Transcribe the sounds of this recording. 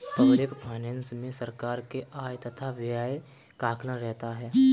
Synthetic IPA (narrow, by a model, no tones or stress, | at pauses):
pɐʋɾɪkpʰaɪnɛ̃ːnsmẽsəɾkaːɾkeaːjt̪ɐt̪ʰaʋaːe | kaːkʰnaɾɛɦt̪aɦɛː